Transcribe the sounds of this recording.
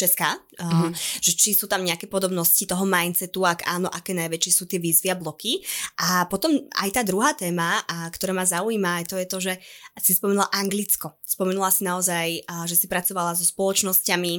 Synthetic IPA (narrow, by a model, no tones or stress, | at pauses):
t͡ʃɛskaː | ʒ̥ɛt͡ʃisuːt̪amɲɛakɛːpɔd̪ɔbnɔscit̪ɔɦɔmajnt̪t͡sɛt̪uakaːnɔʔakɛːnajʋɛt͡ʃɪɛsuːt̪ɪɛʋiːzʋiablɔkiʔapɔt̪ɔma̰jt̪aːd̪ɾuɦaːt̪ɛːmakt̪ɔɾɛːmazauiːmaːjt̪ɔjɛt̪ɔʒɛsispɔmɛnulaʔaŋɡlit͡skɔspɔmɛnulˠasinaɔzajʒɛsipɾat͡sɔʋalazɔspɔlɔt͡ʃnɔscami